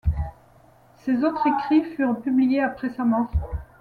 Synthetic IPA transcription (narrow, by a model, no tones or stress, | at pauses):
sezot̪χekχifyʁpyblijeapχɛsamɑ̃